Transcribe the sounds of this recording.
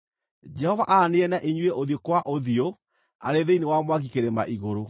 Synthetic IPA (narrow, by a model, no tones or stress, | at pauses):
d͡ʒɛhɔvaʔaneɛnaʔeɲweʔoðiokwaʔoðio | a̰ɾeðeinewamwaɣikeɾema̰ʔiɣoɾo